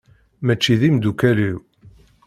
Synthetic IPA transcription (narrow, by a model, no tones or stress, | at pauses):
mæt͡ʃːiðimd̪ukæliw